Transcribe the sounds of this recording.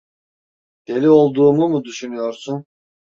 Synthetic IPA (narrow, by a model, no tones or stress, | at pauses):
d̪̥eliolˠd̪uːmumud̪yʃynyjɔɾsun